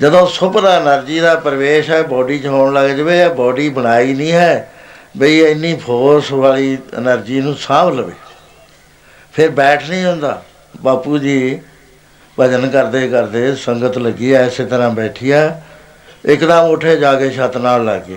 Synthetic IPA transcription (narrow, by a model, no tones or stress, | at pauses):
d͡ʒəd̪õːsʊpɾaːənəɾd͡ʒiːd̪aːpəɾəʋeːʃɦɛːbɔːɖiːt͡ʃəɦõːɳləɡd͡ʒəʋeːbɔːɖiːbəɽ̃aːiːnĩːɦɛːbəiːɪnːiːpʰoːɾsʋaːliːə̰nəɾd͡ʒiːnũːsãːbləʋḛː | pʰɪɾbɛːʈʰnĩːɦʊ̃nd̪a̰ː | baːpuːd͡ʒiː | bəd͡ʒənkəɾd̪eːkəɾd̪eːsəŋɡət̪ləɡiːaːɪseːt̪əɾãːbɛːʈʰiːjɛː | ɪkd̪ãːmoːʈʰeːd͡ʒaːɡeːʃət̪naːlːə̰ɡe